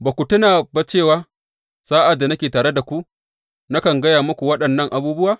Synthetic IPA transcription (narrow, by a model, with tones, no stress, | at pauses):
ba˨kʷu˨tʊ˦naː˨bɐ˦t͡ʃeː˦˨waː˦ | saː˦ʔa˨dːa˨nɐ˦kʲeː˨taː˨ɽe˦da˨kʷu˦ | na˦kɐ˨ŋɡɐ˦jaː˨mʊ˦kʷu˨wɐ˦ɗɐ˨nːɐ˦ŋʔa˨buː˦bʊ˦waː˨